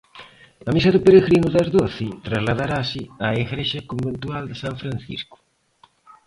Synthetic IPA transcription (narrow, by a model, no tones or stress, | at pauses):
ɐmisaðupeɾeɣɾinuðɐzðoθɪt̪ɾazlaðaɾasɪaeɣɾeʃɐkombent̪uald̪ɪsaɱfɾanθḭsku̥